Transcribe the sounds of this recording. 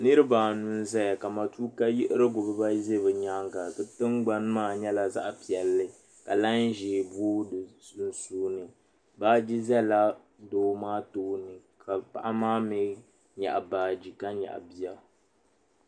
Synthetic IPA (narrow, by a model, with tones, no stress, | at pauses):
nɨ˦ɾɨ˦baː˨nu˨n˦zɛ˦ja˨ka˨ma˨tuː˦ka˦jɪ˦ʔɪ˦ɾɨ˦ɡʊ˨bɨ˦ba˦ze˦βɨ˨ɲa˦ŋɡa˨kɨ˦tɨ˦ŋɡ͡ba˦n˦maː˦ɲɛ˦la˨za˦ʔpi˨ɛ˨lːɨ˨ | ka˨la˦nʒeː˨buː˦˨su˨n˨suː˦nɨ˨ | baː˦d͡ʒi˦zɛ˦la˦ | doː˦maː˦toː˦nɨ˨kʰa˨pa̰˨ʔa˦maː˦mɪ˦ | ɲa̰˨ʔa˨baː˨d͡ʒi˨ka˦ɲɛ̰˨ʔa̰˨bi˦a˨